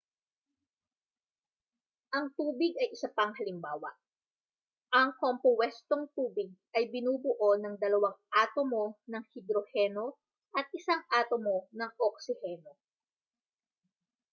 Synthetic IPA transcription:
ʔɐŋt̪uːbɪɡ̚ɐjʔɪsɐpɐŋɦɐlɪmbaːwɐʔ | ʔɐŋkompowɛst̪o̞ŋt̪uːbɪɡ̚ʔɐjbɪnuːbʊʔo̞nɐŋd̪ɐlɐwaŋʔaːt̪omo̞nɐŋhɪd̪ɾohɛno̞ | ʔɐt̪̚ʔɪsaŋʔaːt̪omo̞nɐŋʔok̚sɪhɛno̞

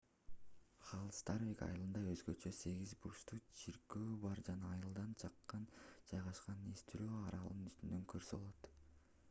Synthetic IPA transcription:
χɑlˠst̪ɑɾvʲikɑ̰jɯlˠɯnd̪ɑøzɡø̞t͡ʃø̞se̞ɡizbuɾst̪ut͡ʃʰiɾkøːbɑɾd͡ʒɑnɑːjɯlˠd̪ɑnt͡ʃʰɑqːɑnd͡ʒɑjʁɑʃqɑnest̪yɾøːɑɾɑlˠɯnyst̪ynd̪øŋkʰøɾsøolˠot̪

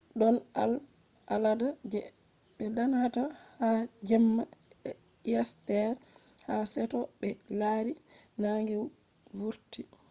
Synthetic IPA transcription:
ɗɔna̰l | ʔaladad͡ʒɛ | ɓɛdanhatahad͡ʒɛmːa | jastɛɾ | hasɛtɔɓɛlaɾi | naŋɡɛw | vuɾti

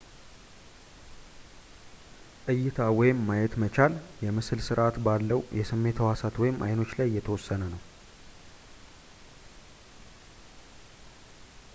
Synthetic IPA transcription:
ʔʼɨjːɪt̪ʰawɔjɪmːajɛt̪mət͡ʃaljɛmɨsɨlsɨɾʔat̪balːəwjɛsɨmːe̞t̪ʰəwasat̪wɔjɪmʔa̰jno̞t͡ʃːlajːɛt̪ʰəwɔsːənənəw

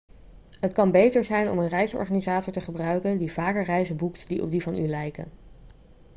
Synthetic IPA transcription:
ɦətkɑnbejtəɹzɛjnɔ̰mənrɛjsɔ̰ɹχaːnizaːtɔɹtəχəbrœɥkəndivaːkəɹrɛjzəbuktdiʔɔ̰b̚divɑnylɛjkə̰n

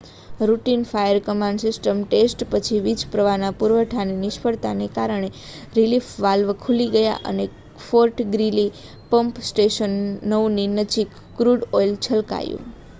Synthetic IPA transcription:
ɾuʈinfajəɾkəmãɳɖsɪsʈəmʈesʈpət͡ʃʰiʋid͡ʒpɾəʋanapuɾʋəʈʰanenɪʃpəɽt̪anekaɾəɳ̃e | ɾilifʋalʋkʰuliɡəja̰ʔə̰ne | foɾʈɡɾili | pəmpsʈeʃənːəwninəd͡ʒikːɾuɖɔjlt͡ʃʰəlka̰jṵ̃

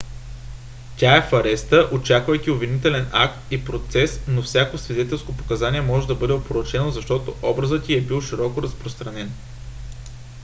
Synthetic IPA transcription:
t̪ʲaɛfɐɾɛst̪əʔot͡ʃakvəjkʲiovʲinit̪ɛlɛna̰kt̪ipɾot̪sɛsnofsʲjakosvid̪ɛt̪ɛlˠskopo̥kɐzaniɛmɔʒɛd̪ɐbɤd̪ɛopoɾot͡ʃɛnozɐʃt̪ɔt̪oʔɔbɾəzət̪ʲiɛbilˠʃiɾɔkoɾəspɾost̪ɾɐnɛn

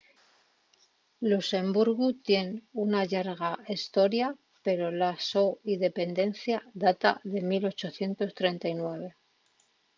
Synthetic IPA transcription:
luse̞mbuɾɣut̪je̞nunaʎaɾɣaest̪o̞ɾja | pe̞ɾo̞lasoiðe̞pe̞nd̪e̞n̟θjaðat̪a̰ðe̞milo̞t͡ʃo̞θje̞nt̪o̞st̪ɾe̞nt̪ajnwe̞β̞e̞

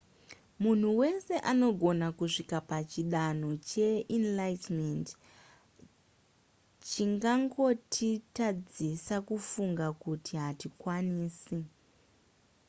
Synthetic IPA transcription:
mun̤uwe̞se̞ʔano̞ɡʱo̞nakuʂikapat͡ʃiɗano̞t͡ʃe̞inlajtment | t͡ʃiŋɡaŋɡo̞tʰitad͡zisakufuŋɡakutiɦatikwaniːsi

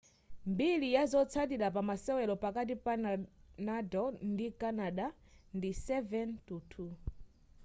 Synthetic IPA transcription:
mbilijazɔt͡sʰat̬iɾap̬amasɛwɛlɔpakat̬ipanadɔndikanaɗa | ndisɛvɛntutʰu

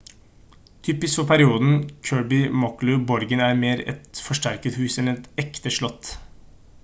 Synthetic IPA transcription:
t̪ʰyːpɪskfɔpʰæɾɪuːd̪n̩kʰøːɹbɪmɔklʉbɔɾɡənæɾmeːɾɛ̰t̪fɔʂʈæɾkət̪hʉːsɛnɛt̪ɛkt̪əʂɭɔt̪ː

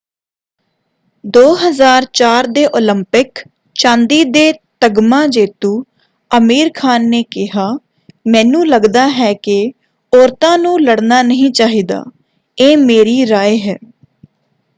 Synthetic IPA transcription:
d̪oːɦəzaːɾt͡ʃaːɾd̪eːʔoːləmpɪk | t͡ʃãːnd̪iːd̪eːt̪əɡmãːd͡ʒeːt̪uː | əmiːɾkʰaːnːeːkɪɦaː | mɛ̃ːnũːləɡd̪aːɦɛːkɪ | ɔːɾt̪ãːnũːləɽnaːnəɦĩːt͡ʃaːɦiːd̪a̰ː | eːmeːɾiːɾaːeːɦɛː

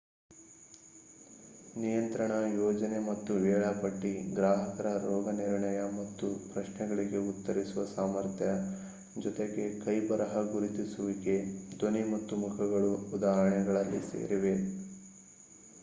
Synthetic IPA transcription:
nijɐnt̪ɾɐɳɐjɔːd͡ʒɐne̞mɐt̪ːuʋɛːɭɐpɐʈːiɡɾaːɦɐkɐɾɐɾɔːɡɐniɾɳɐjɐmɐt̪ːupɾɐʃnɛɡɐɭiɡe̞ut̪ːɐɾisuʋɐsaːmɐɾt̪ʰjɐ | d͡ʒɔt̪eɡe̞kɐjbɐɾɐɦɐɡuɾit̪isuʋiɡe̞d̪onimɐt̪ːumukʰɐɡɐɭuːd̪aːɦɾɐɳɛɡɐɭɐlːḭsḛːɾiʋe̞

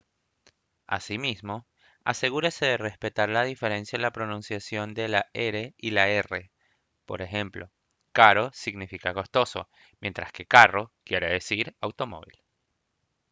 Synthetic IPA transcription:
a̰simizmo̞ | a̰se̞ɣuɾese̞ðere̞spe̞t̪aɾlaðife̞ɾe̞nsjaenlapɾo̞nũnsjasjo̞nd̪e̞laeɾeilae̞re̞ | po̞̰ɾe̞xe̞mplo̞̰ | kaɾo̞siɣnifikako̞st̪o̞so̞̰ | mje̞nt̪ɾaske̞karo̞kje̞ɾe̞ðesiɾawt̪o̞mo̞̰βḭl

